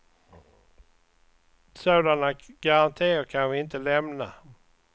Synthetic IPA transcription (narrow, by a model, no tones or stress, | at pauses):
soːd̪anaɡ̥aɾant̪ʰeːkʰanvɪɪnt̪əlɛmna